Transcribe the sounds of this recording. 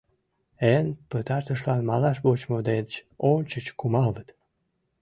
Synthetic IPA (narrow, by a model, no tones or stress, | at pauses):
enpət̪ɑrt̪əʃlɑnmɑlɑʃbot͡ɕmod̪ed̪ət͡ɕonʲt͡ɕət͡ɕkumɑlət̪